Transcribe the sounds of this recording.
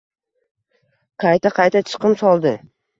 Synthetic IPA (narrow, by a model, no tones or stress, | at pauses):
qʰɑjt̪ʰaqʰɑjt̪at͡ʃʰɨ̥qɨmsɒlˠd̪ɪ